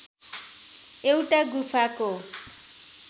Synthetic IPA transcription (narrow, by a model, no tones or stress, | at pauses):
eutʼaɡufʰako